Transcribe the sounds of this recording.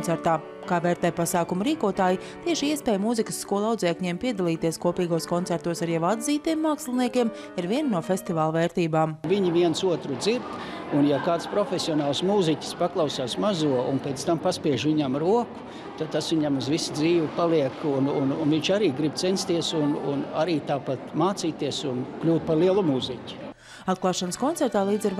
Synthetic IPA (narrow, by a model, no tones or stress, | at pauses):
nsɛɾt̪aː | kaːvɛːɾt̪ɛjpasaːkumuɾiːkuɔt̪aːji | t̪iɛʃiiɛspɛːjmuzikə̥sːkuɔlˠawd̪zɛːkɲɛːmpiɛd̪alˠiːt̪iɛskuɔpiːɡuɔskɔnt̪sɛɾt̪uɔsaɾjawad̪ziːt̪iɛmːaːkslˠiniɛkʲiɛm | iɾviɛnnuɔfʲest̪ivaːlˠveːɾt̪iːbaːmviɲiviɛnsuɔt̪ɾud̪ziɾt̪ | unjakaːt̪spɾɔfʲesʲiɔnaːlˠsmuːzikʲspaklˠɑʊsaːsmazuɔunpeːt̪st̪ampaspiɛʒʋiɲamɾuɔku̥ | t̪ad̪̚t̪asʋiɲamuzʋisd̪ziːʋɪpalˠiɛkunununviɲt͡ʃaɾiːɡɾib̚t̪senst̪iɛsunṵna̰ɾiːt̪aːpat̪maːt̪siːt̪iɛsunklʲuːt̪̚paɾliɛlˠumuːzikʲi̥ | at̪̚klˠaːʃanəskɔnt̪ɛɾt̪aːlˠiːd̪ziɾ